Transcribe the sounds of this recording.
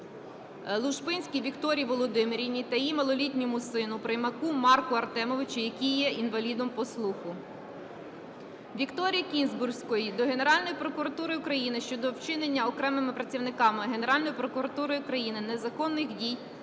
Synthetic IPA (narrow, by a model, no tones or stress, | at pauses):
lˠʊʃpɪnʲsʲkʲijʋʲikt̪ɔɾʲijʋɔlˠɔd̪ɪmeɾʲinʲit̪ɐjimɐlˠɔlʲitʲnʲɔmʊsɪnʊpɾɪjmɐkumɑrkʊɐrt̪ɛmɔʋɪt͡ʃʊjɐkʲijjːɛʔinʋɐlʲid̪ɔmpɔslˠuxʊ | ʋʲikt̪ɔɾʲijɐkʲinzbʊrsʲkɔjid̪ɔɦe̞ne̞ɾɑlʲnɔjipɾɔkʊɾɐt̪uɾɪjʊkɾɐjinɪʃt͡ʃɔd̪ɔwt͡ʃɪnenʲːɐɔkɾɛmɪmɪpɾɐt͡sʲiʋnɪkɑmɪɦe̞ne̞ɾɑlʲnɔjipɾɔkʊɾɐt̪uɾɔjʊkɾɐjinɪnezɐkɔnːɪxdʲij